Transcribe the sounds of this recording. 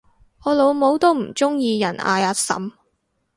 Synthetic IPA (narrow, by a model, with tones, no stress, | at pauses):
ɔː˨˧lo˨˧wmo˨˧wt̪o˥wm̩˨˩t͡sʊ˥ŋjiː˧jɐ˨˩nʔa̰ː˨˧jaː˨˧t̚sɐ̰˨˥m